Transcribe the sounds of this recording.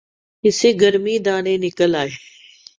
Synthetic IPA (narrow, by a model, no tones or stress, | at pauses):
ɪseɡəɾmid̪aːɽ̃ẽːnɪkəlaːɦeː